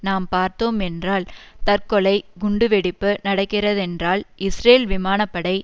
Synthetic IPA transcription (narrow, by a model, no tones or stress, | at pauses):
naːmpaːɾt̪oːmɛndraːlt̪ɐɾkɔɭɐɪɡʊɳɖɯʋɛɽɪpːɯnɐɽɐkːɪrɐðɛndraːlɪsreːlʋɪmaːnɐpːɐɽɐɪ